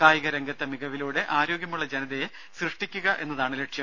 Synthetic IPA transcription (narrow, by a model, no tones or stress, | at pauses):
kaːjiɣɐɾeŋɡɐt̪ːemiɣɐʋiluːɽe̞ʔaːɾo̞ːɡjɐmuɭːɐd͡ʑenɐðe | srɨʂʈikʲːuɣɐʔe̞̰nːɐðaːɳɨleʈʂjɐm